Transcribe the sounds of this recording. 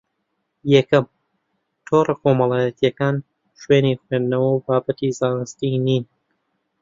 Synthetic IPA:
jɛkɐm | t̪ʰoːrɐkʰomɐlˠɑːjɛt̪ʰijɐkaːn | ʃweːnixwend̪nɐwɐwbaːbɐt̪izaːnɨst̪iniːn

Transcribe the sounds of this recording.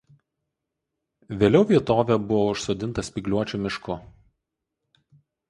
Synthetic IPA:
ʋʲeːlʲɛʊʋʲiɛt̪oːʋʲɛˑbʊʋoʊʃsoːd̪ʲɪnt̪ɐsʲpʲɪɡlʲuɔt͡ʃʲuˑmʲɪʃkʊ

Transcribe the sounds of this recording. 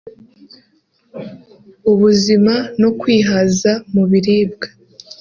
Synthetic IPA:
uβuzimano̞kwiːɦazamuβiɾiːb̚ɡḁ

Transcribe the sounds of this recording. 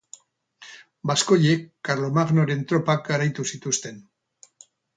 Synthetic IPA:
basko̞jekːaɾlo̞maɣnoɾe̞nt̪ɾo̞pak̚ɡaɾajt̪usit̪ust̪e̞n

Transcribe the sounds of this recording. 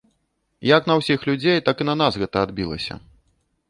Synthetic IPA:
jɐknɐwsʲixlʲud͡zʲejt̪akɨnɐnasɣɛt̪ɐad̪̚bʲilˠɐ̰sʲɐ̰

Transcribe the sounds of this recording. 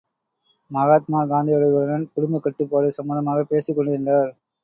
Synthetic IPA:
mɐɣaːt̪̚maːɡaːnd̪ijɐɽɐʊɽɐnɐnkʊɽʊmbɐkːɐʈːɯpːoːɾɐsɐmuːnɐmaːɣɐpeːsɪkːɔɳɖɯɪndɐɾ

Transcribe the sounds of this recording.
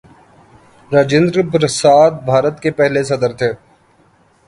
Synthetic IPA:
ɾaːd͡ʒɪ̃nd̪ɾbɾəsaːd̪̚bʱaːɾət̪kepɛɦlesɐd̪əɾt̪ʰeː

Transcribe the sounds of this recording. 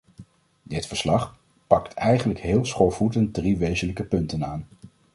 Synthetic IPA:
dɪtfəɹslɑχ | pɑktʰɛjχənləkɦɪːlˠsχoɹvutən̚driʋejzənləkəpɵntənaːn

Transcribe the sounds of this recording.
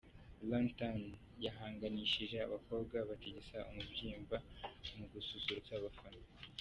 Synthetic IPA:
lantan | jaɦaːŋɡaniʃiʒea̰βako̞bɡaβateɟesaʔumubɟiːmbamuɡususuɾut͡saβafano

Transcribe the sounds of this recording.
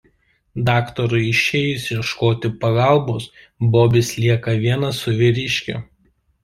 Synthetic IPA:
d̪ɑːkt̪ɔɾʊɪɪʃʲeːjʊsʲɛʃkoːt̪ʲɪpɐɡɑˑlˠboːs | boːbʲɪslʲiɛkɐʋʲiɛnɐsʊʋʲɪɾʲɪʃʲkʲʊ̰

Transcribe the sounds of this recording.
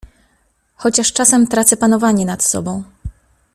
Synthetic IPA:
xɔt͡ɕaʂt͡ʂasɛmt̪ɾat̪sɛpanɔvaɲɛnat̪sɔ̰bɔ̃w̃

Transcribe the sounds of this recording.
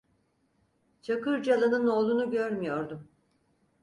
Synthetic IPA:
t͡ʃʰakɯɾd͡ʒalˠanɯno̞ːlˠunuɟøɾmyjo̞ɾd̪um

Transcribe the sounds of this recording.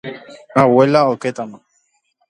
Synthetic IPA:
awɛlaokɛt̪anɔ

